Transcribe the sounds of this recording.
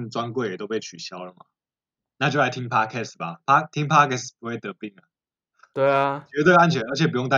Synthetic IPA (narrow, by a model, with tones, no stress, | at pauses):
nt͡swa˦nkwe˥˩ɪjɛ˨˩t̪o˥ʊpʰe˥˩ɪt͡ɕʰy˨˩ɕjɑ˦ʊlə˨˩ma̰˩ | na˥˨t͡ɕjo˥˩ʊla˧˥ɪi˦ŋpʰa˥kʰɛ˥˩sba˨pʰa˥t̪ʰi˥ŋpʰa˥kʰɛ˥˩spu˧˦xwe˥˩ɪt̪ɤ˨˦pi˥˩ŋə˩ | t̪we˥˩ɪa˩t͡ɕɛ˧˥t̪we˥˧ɪa˥˨nt͡ɕʰɥɛ˧˦nə˞˧˥t͡ɕʰɛ˨˩pu˧˦jo˥˩ŋt̪a˥